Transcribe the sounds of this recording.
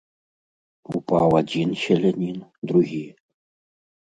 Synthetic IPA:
upɑwadʲinɕɘ̆lʲenʲind̪ɾuɣʲij

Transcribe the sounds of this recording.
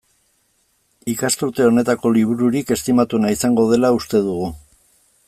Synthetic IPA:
ikast̪uɾt̪e̞o̞ne̞t̪ako̞liβ̞uɾuɾike̞st̪imat̪unaisaŋɡo̞ð̞e̞laust̪e̞ðuɣu

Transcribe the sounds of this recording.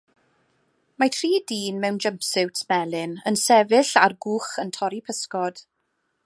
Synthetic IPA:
matʰriːdiːnmɛwnd͡ʒəmpsɪwtʰmɛlˠɪnənsɛvɪɬarɡuːχəntʰɔɾipʰəskɔd̥

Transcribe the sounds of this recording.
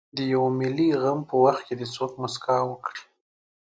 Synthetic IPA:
d̪əjawmɪliɣampəwaxt̪̚ked̪ət͡sokmʊskɑwəkɽi̥

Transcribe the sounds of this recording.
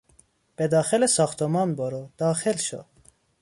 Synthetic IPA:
b̥ed̪ɑːxelesɑːxt̪ʰomɑnboɾod̪̥ɑːxelʃo̰

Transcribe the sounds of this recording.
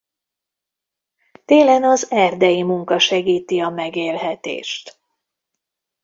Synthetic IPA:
t̪eːlɛnɒzɛrd̪ɛjimuŋkɒʃɛɡiːt̪iɒmɛɡeːlɦɛt̪ḛːʃt̪

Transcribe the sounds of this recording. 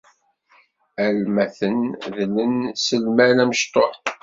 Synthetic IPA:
ælmæθənðələnsəlmælæməʃt̪ˤoħ

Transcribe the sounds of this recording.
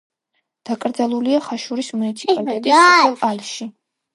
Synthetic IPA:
d̪̥akʼɾd̪zalˠuliaχaʃuɾismunit̪sʰi̥pʼalit̪ʼɛt̪ʼiɛalʃi

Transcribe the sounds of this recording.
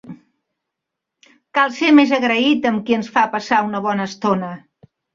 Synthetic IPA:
kalˠsemezəɣɾəit̪əmkiənsfapəsaunəβ̞ɔnəːst̪onə

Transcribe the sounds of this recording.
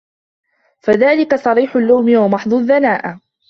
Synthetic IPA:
faðaːlɪkasˤɑɾiːħʊlːawmɪwamɑħd̪ˤʊðːanaːʔa

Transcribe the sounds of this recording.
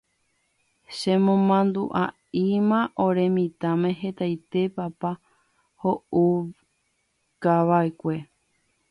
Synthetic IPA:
ʃẽmõmãnd̪uʔa | imãʔoɾẽ̞mĩt̪amẽ̞ɦe̞t̪ajt̪e̞papa | hou | kaʋaekʷe̞

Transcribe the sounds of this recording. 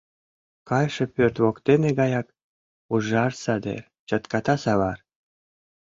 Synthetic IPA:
kɑjʃɤ̆pørt̪βokt̪eneɡɑjɑk | uʒɑrsɑd̪ḛr | t͡ɕɑt̪kɑt̪ɑsɑβɑr

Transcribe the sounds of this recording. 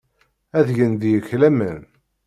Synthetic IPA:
æðʝənðjəçlæmən

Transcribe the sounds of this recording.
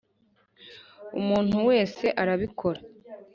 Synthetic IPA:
umuːn̥uwe̞ːse̞ʔaɾaβikʰo̞ɾa

